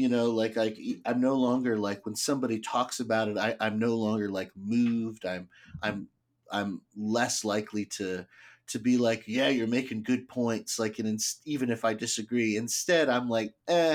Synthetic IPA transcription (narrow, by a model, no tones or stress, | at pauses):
jɨnoʊlaɪkaɪkãɪ̃mnoʊlɔ̃ŋɡə˞laɪkwə̃nsʌ̃mbɑɾitʰɔksɨbaʊɾɨɾaɪʔãɪ̃mnoʊlɔ̃ŋɡə˞laɪk̚mʉvdãɪ̃mʔãɪ̃m | ʔã̰ɪ̃mlɛslaɪkʰliɾɨɾɨbilaɪkjæjə˞meɪkɪ̃ŋɡʊd̚pʰɔ̃ɪ̃ntslaɪkɨ̃nɨ̃nsivɨ̃nɨfaɪdɨsɨɡɹiɨ̃nstɛɾãɪ̃mlaɪk̚æ